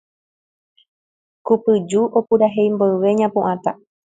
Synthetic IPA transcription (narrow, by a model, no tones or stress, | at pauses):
kupɨd͡ʒuʔo̞puɾaɦe̞jmboɨʋe̞ɲãpũʔãt̪a